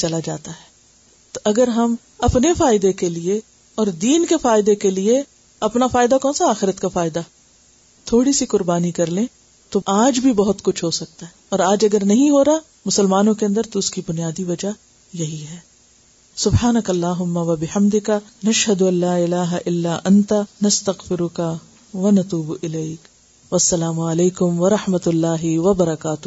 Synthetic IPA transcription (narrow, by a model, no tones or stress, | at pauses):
t͡ʃɐlad͡ʒa̰ːt̪aɦɛː | t̪oʔɐɡəɾɦɐm | ɐpnefaːɪd̪ekelie | ɔːɾd̪iːnkefaːɪd̪ekelie | ɐpnafaːɪd̪akɔ̃ːnsaaːxɪɾət̪kafaːɪd̪a | t̪ʰoːɽisikʊɾbaːnikɐɾlẽ | t̪oaːd͡ʒbʱibɐɦʊt̪kʊt͡ʃʰɦosɐk̚t̪aɦɛ | ɔːɾaːd͡ʒɐɡəɾnɐɦĩɦoːɾa | mʊsəlmaːnõkeɐ̃nd̪əɾt̪oʊskibʊnijaːd̪iʋɐd͡ʒa | jɐɦiɦɛː | sʊbhaːnɐkɐlːaːɦʊmːaʋɐbɪhɐmd̪ɪkanɐʃɦɐd̪ʊɐlːaːɪlaːɦaʔɪlːaːʔɐnt̪anɐst̪ɐɣfɪɾʊka | ʋɐnɐt̪uːbʔɪleːk | ʋɐsːɐlaːmʊɐleːkʊmʋɐɾɐħmɐt̪lːaːɦɪʋɐbɐɾɐkaːt̪ʊ